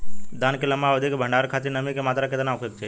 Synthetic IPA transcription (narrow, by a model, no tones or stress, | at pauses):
d̪ankɪlamaʋəd̪ʱekebʱəɳɖaɾkʰat̪enəmikemat̪ɾaket̪ənawkekt͡ʃʰe